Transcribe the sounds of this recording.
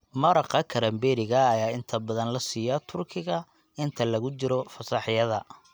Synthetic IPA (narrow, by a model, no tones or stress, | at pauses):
mɐɾɑqɐkʰɐɾɐmbɛːɾɪɣɐːjaːɪnt̪ʰɐbɐðɐnlɐsiːjɐt̪ʰʊrkʰɪɣɐ | ɪnt̪ʰɐlɐɣʊt͡ʃɪɾɔfɐsɑħɪjɐðɐ